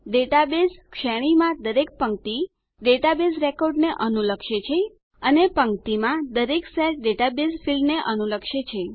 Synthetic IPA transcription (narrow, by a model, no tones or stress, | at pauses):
ɖeʈabeskʃɛɽ̃imãd̪əɾek̚pəŋt̪i | ɖeʈabesɾekoɾɖneʔənuləkʃet͡ʃʰe | ənepəŋkt̪imãd̪əɾeksɛʈ̚ɖeʈabesfʰilneʔənuləkʃet͡ʃʰe